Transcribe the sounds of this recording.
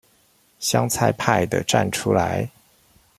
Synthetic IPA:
ɕjɑ˥ŋt͡sʰa˥˧ɪpʰa˥˩ɪd̪ə̰˨ʈ͡ʂa̰˥˩nʈ͡ʂʰu˥la˧˥˦ɪ

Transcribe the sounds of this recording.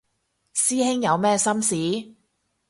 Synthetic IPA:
siː˥hɪ˥ŋjɐ˨˧wmɛː˥sɐ˥msiː˨˥

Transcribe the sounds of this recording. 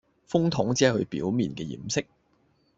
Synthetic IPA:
fʊ˥ŋt̪ʰʊ˨˥ŋt͡si˨˦˥hɵ̰˧ɥpḭː˨˥wmiː˨˩nkɛː˧jḭː˨˩msɪ˥k̚

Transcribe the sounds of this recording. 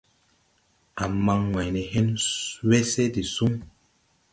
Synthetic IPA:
a˨ma˨ŋŋwa˨jnɛ˨ɦɛ˦nwɛ˦sɛ˦di˨su˦ŋ

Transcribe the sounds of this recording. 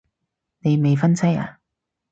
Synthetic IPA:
ne˨˧jme˨jfɐ˥nsʰɐ˥ja̰ː˨

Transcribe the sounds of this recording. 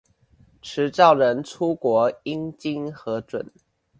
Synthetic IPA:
ʈ͡ʂʰɻ̩˨˧˥t͡sɑ˥˩ʊɻə˧˦nʈ͡ʂʰu˦kwɔ˧˥˦i˦˥ŋt͡ɕi˦ŋxɤ˨˧˥ʈ͡ʂwə̰˨˩˦n

